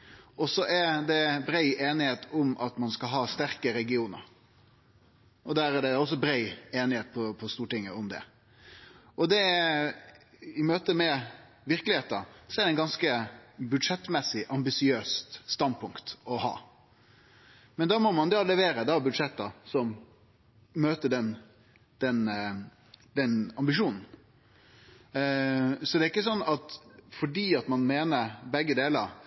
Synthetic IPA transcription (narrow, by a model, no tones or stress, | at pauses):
ɔsɔʔɛɾd̪ɛbɾæɪʔeːnɪheːt̪ʊmʔɑt̪mɑnskɑlɦɑːst̪æɾkəɾɛɡɪuːnə̰ɾ | ʔɔd̪æːɾæɖ̪ɛɔs̬ɔbɾɛɪeːnɪheːt̪̚pʰɔpʰɔst̪uːʈɪŋːəʊmd̪ɛ̰ | ʔɔd̪ɛ | ɪmøːt̪əmɛ | ʋɪɾkəlɪheːt̪əsɔɛɾɛɪnɡɑnskəbʉd̪ʂɛt̪ːmɛsːɪʔɑmbɪsɪøːst̪st̪ɑnd̪̚pʰʊŋkt̪ɔhɑ̰ː | mɛnd̪ɑːmɔmɑnd̪olɛʋeːɾəd̪ɑbʉd̪ʂɛt̪ːɑsɔmː | øːt̪əɖɛn | d̪̥ɛn | d̪ɛnɑmbɪʃuːnn̩ | sɔd̪ɛɪkːəsɔnːɑt̪fɔɖiːɑt̪mɑnmeːnəɾbɛɡːəd̪eːləɾ